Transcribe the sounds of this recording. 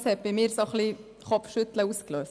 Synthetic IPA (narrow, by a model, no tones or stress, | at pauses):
sɛp̚bɪmɪːɾsoχli | χɔpfʃʏt̪ləuːskløːs